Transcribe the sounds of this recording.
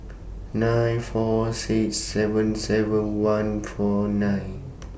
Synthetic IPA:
nãjnfɔsiksɛvə̃nsɛvə̃nwãnfɔnãjn

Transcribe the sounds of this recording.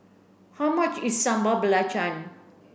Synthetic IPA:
hawmat͡ʃisːãmbəbəlat͡ʃan

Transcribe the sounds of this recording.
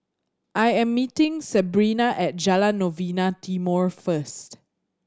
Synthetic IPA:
ʔajɛ̃mːitĩŋsɛbɹinaʔɛt̚d͡ʒalãnːovinatimɔɹfəst

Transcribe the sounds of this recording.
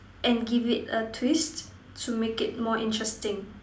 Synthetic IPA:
ʔɛ̃nɡivɪtətʰwistʰː | umekɪt̚mɔʔĩntɹɛstɪ̃ŋ

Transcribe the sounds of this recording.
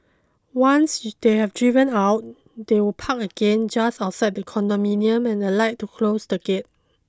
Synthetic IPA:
wãnsd̥ehɛvdɹivə̃naʊt̚ | dewilpʰakəɡ̥ẽnd͡ʒasaʊtsajt̚dəkʰɔ̃ndɔmĩniə̃mɛ̃nəlaɪt̚ːukʰlosdəɡet̚

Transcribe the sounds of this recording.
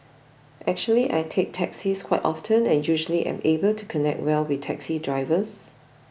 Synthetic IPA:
ʔɛk̚t͡ʃuəliʔa̰jtʰek̚tʰɛksiskʰwaɪtʔɔftʰə̃nɛ̃njuʒəliʔã̰mebəltʰukʰɔnɛ̰k̚t̚wɛlwɪθtʰɛksidɹaɪvəs

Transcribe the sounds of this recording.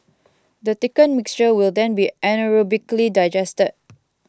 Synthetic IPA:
dətikə̃nmɪkst͡ʃəwɪldɛ̃nbiɛnəɹobiklidaɪd͡ʒɛstəd̚

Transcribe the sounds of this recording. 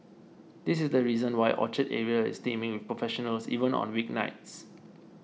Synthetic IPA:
dis̬ɪsdəɹizə̃nwaɪʔɔ̰t͡ʃətɛɹiəɪ̰stẽmɪ̃ŋwɪfpɹɔfɛʃɔnəlsḭvə̃nɔ̰̃nwik̚na̰ɪts

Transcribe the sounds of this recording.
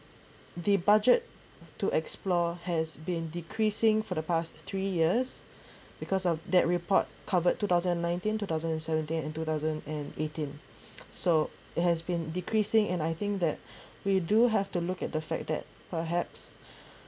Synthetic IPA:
dibad͡ʒətː | uʔɛksplɔhɛsbĩndikʰɹisɪ̃ŋfɔdəpast̪ʰɹijiəs | bikʰɔsɔfd̪ɛt̚ɹipɔ̰t̚kʰavəd̚tʰːut̪aʊzə̃nɛ̃nːãj̃ntĩntut̪aʊzə̃nɛ̃nsɛvə̃ntĩnɛ̃ntut̪aʊzə̃ndɛ̃netĩn | so | ɪt̚hɛsbĩndikʰɹisɪ̃ŋɛ̃najθɪ̃ŋk̚d̪ɛ̰t̚ | widuɦɛftulukɛt̚d̪əfɛ̰k̚d̪ɛ̰t̚pəɦɛps

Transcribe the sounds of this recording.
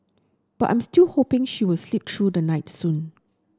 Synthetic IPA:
b̥atʔã̰j̃mstilhopɪ̃ŋʃiwɪlslip̚tʰɹudənaɪtsũn

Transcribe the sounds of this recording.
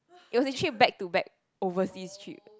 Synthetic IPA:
ʔit̚wɔsɛt͡ʃibɛk̚tubɛk̚ | ovəsist͡ʃɹḭp̚

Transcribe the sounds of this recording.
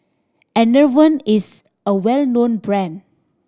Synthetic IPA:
ɛ̃nəvə̃nis | əwɛlnõnbɹɛ̃n

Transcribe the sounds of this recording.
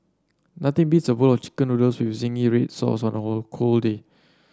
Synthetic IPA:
nat̪ɪ̃ŋbitsəbulɔft͡ʃi̥kə̃nudəlswifzĩŋiɹet̚sɔ̰sɔ̃nəholkʰolde

